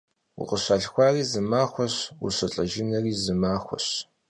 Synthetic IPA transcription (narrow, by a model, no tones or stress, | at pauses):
wʊ̰qʼəɕaːɬxʷɑːriːzɨmaːxʷɔɕwṵɕɐɬʼɐʒɪnɐriːzɨmaːxʷɔ̰ɕ